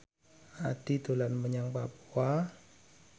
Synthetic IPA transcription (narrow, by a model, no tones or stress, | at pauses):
at̪it̪olanməɲaŋpa̰pua